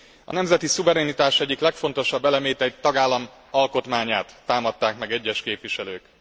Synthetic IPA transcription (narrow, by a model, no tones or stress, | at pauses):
ɒ̰nɛmzɛt̪isuvɛɾɛnit̪aːʃɛɟːiklɛkfo̞nt̪o̞ʃɒbːɛlɛmeːt̪ɛt̪ɒɡaːlːɒm | ɒlko̞t̪maːɲaːt̪ːaːmɒt̪ːaːkmɛɡɛɟːɛʃkeːpʋiʃɛløːk